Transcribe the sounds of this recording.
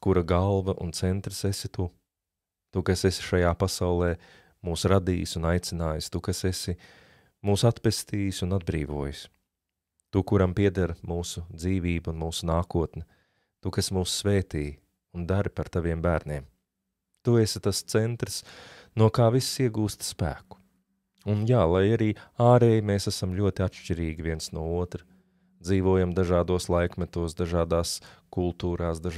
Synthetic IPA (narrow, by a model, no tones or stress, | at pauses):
kuɾaɡalˠvɐʔṵnt̪sɛnt̪ɾsesɪt̪u | t̪ukasesɪ̥ʃajaːpasawlˠɛː | muːsɾad̪iːjsunajt̪sɪnaːjst̪ukasesɪ | muːsat̪pɛst̪iːjsunad̪̚bɾiːvuɔjs | t̪ukuɾampiɛd̪aɾmuːsud̪ziːviːbunmuːsunaːkuɔt̪nɛ | t̪ukasmuːssveːt̪iːj | und̪aɾipaɾt̪aʋiɛmbæːɾniɛm | t̪uesɪt̪ast̪sɛnt̪ɾsnuɔkaːvisːiɛɡuːst̪spæ̰ːkʊ̥ | unjaːlˠajaɾiːaːɾeːjmeːsæsamʎʲuɔt̪iat̪ʃt͡ʃiɾiːɡʲiʋviɛnsnuɔuɔt̪ɾɐ | d̪ziːʋuɔːjamd̪aʒaːd̪uɔslˠajkmɛt̪uɔsd̪aʒaːd̪aːskulˠt̪uːɾaːsd̪aʒ